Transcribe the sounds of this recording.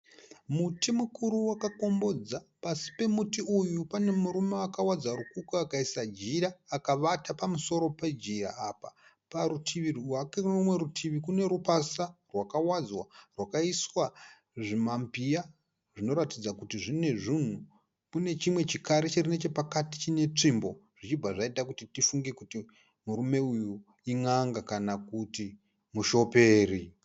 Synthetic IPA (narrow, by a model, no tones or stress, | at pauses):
mutimukʰuɾuwakako̞mbo̞d͡zapasi̥pe̞mutiujupane̞muɾumeakawad͡zaɾukukuakaisad͡ʒiɾaːkaʋatapamuso̞ɾo̞pe̞d͡ʒiɾa̰apa̰ | paɾutʰiʋirwakerumwe̞ɾutʰiʋikune̞ɾupasarwakawad͡zwarwakaiswa | ʐimampija | ʐino̞ɾatid͡zakutiʐine̞ʐin̤u | kune̞t͡ʃimwe̞t͡ʃikaɾet͡ʃerine̞t͡ʃe̞pakati̥t͡ʃine̞t͡ʂimbo̞ʐ̥it͡ʃib͡vaʐaitakutitifuŋɡekuti | muɾume̞uju | iŋaŋɡakanakuti | muʃo̞pe̞ːri